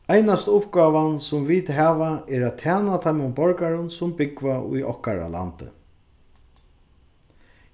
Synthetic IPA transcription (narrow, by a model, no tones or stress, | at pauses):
ajnast̪ʊpɡaːʋansʊmviːt̪ɦaːvaɛɾat̪ʰːaːnat̪ʰajmʊmbɔɹkaɾʊnsʊmbɪkvaṵjʔɔ̰hkaɾa̰la̰nt̪ɪ̰